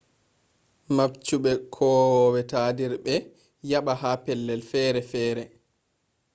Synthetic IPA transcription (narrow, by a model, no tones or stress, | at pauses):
mapt͡ʃuɓɛkʰɔːwɔwɛtadiɾɓɛ | jaɓahapɛlːɛlfɛːɾɛfɛːɾɛ